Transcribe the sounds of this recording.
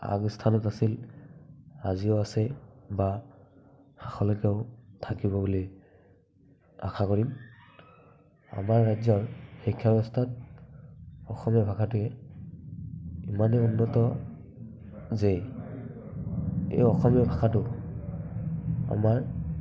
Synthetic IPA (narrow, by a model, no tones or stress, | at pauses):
a̰ɡstʰanɔtasil | aziʊasɛba | haxɔlɔkɛʊtʰakibɔbuli | a̰xʰakɔɹim | a̰maɹːajzɔɹxikʰːabɔstʰat̚ | ɔxɔmɔbʱakʰatʊɛ | imanɛunːɔtɔ | ze | ḛjɔxɔmɔbʱakʰatʊ | a̰maɹ